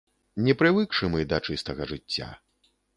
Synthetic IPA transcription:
nʲɛpɾɨvɨkʂɨmɨd̪ɐt͡ʂɨst̪ɐɣɐʐɨt͡sʲːa̰

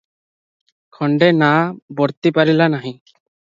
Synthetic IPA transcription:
kʰɔɳɖenabɔɽt̪ipaɾilanaɦĩ

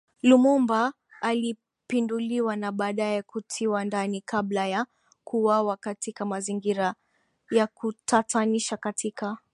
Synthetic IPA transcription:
lumumbaː | li | pinduliwanaɓaːɗajɛkutʰiwandanikablaja | kʰuwawakatikamaziŋɡiɾa | jakutataniʃakatʰika

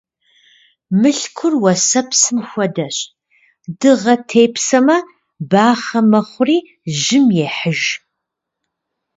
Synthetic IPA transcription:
mɨɬkʷʰʊrwɐsɐpsɨmxʷɔdɐɕʼ | dɨʁɐtʰeːpʰsɐmɐ | baːχɐmɐχʷʊriː | ʒɪmjɛħəʒ

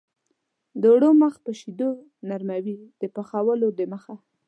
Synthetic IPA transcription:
d̪əwɽoməxpəʃid̪o | naɾmawid̪̥əpaxawəlod̪əməxa

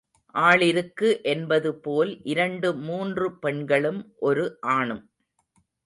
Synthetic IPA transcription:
ʔaːɭɪɾɯkːɯʔɛnbɐðɯpoːlʔɪɾɐɳɖɯmuːndrɯpɛɳɡɐɭɯmʔɔɾɯʔaːɳɯm

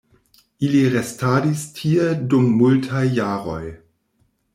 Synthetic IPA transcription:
iliʁestaːdistʰiedumːultʰajːaːɾo̰j

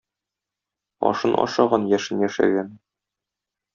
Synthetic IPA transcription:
ɒ̰ʃɤnʔɒ̰ʃɑʁɑnjæʃɘnjæʃæ̰ɡæn

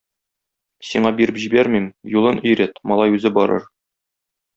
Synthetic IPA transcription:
siɴɑbiɾɘpʑibæɾmimjulˠɤnʔɵ̆jɾæt̪mɒlˠɑjʉzɘbɒɾɤ̰ɾ

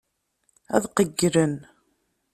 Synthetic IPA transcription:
æ̰ðqəɡːɾən

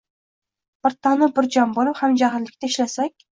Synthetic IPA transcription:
bɨɾt̪ʰɑnɪbɪɾd͡ʒɒmbolɪphamd͡ʒaɦɪɾlɪkʲt̪ʰaɪʃlasakʲ

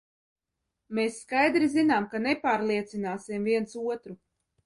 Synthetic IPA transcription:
mesːkajd̪ɾizinaːmkanepaːɾlˠiɛt̪sinaːsimviɛnsuɔt̪ɾu

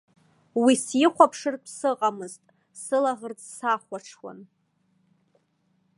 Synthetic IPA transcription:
wisiχʷapʰʂɨrʰsɨqʼamɨztʼ | sɨlaʁərt͡sʼsaχʷaʈ͡ʂʰwa̰n

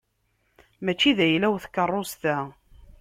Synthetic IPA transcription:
mæt͡ʃːiðæjlæwθkːərˤːost̪æ

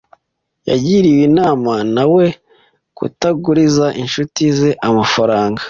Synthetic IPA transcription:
ja̰ɟiɾiwinaːmanawe̞ | kṵtaɡuɾizaʔinʃutizeʔamafaɾaːŋɡa

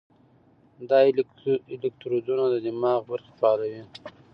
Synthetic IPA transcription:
d̪ɑ | ɪlɪk̚t̪ɾod̪unad̪əd̪ɪmɑɣbəɾxɪ̥fɑlawi

